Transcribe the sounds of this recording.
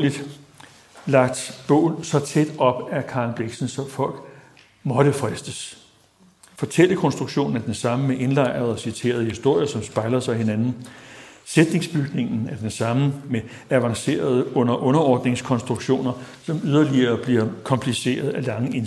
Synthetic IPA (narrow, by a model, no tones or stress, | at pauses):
lid̥ | lɑ̈ɡ̥̚d̥b̥ɔ̽ʊ̰ð̩sɒ̽t͡sʰed̥ɒ̽b̥ækʰɑ̈ːlb̥leɡ̥sən̩sɒ̽fɒ̽l̰ɡ̥ | mɒ̽ɾ̥əfʁɛsd̥əs | fɒ̽t͡sʰel̰əkʰɒ̽nsd̥ʁuɡ̥ɕo̝̰ːn̩æɐd̥ensɑ̈məmeʔe̝nlɑ̈ɪ̰ɐð̞ˠɒ̽sit͡sʰe̝̰ːɐð̞̩ˠhisd̥o̝ɐ̰jɐsɒ̽msb̥ɑ̈ɪlɐsɑ̈ɪɦenænn̩ | sed̥ne̝ŋsb̥yɡ̥ne̝ŋn̩æɐd̥ensɑ̈məme | æʋɑ̈ŋse̝̰ːɐð̞ˠəɔ̽n̰ɐʔɔ̽nɐɒːd̥ne̝ŋskʰɒ̽nsd̥ʁuɡ̥ɕo̝̰ːnɐ | sɒ̽myð̞ˠɐliɐːb̥liɐkʰɒ̽mpʰlise̝̰ːɐð̞̩ˠælɑ̈ŋəen